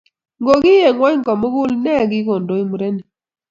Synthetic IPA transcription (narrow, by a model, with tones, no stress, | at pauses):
ŋɡo˨ɡɪ˦je˨ŋwɔ˦ɲ˦ŋ˨kɔ˨mo˦ɡʊ˦lnɛ˦˨ɡɪ˦ko˨ndo˨˦i˦mu˨ɾe˦ni˨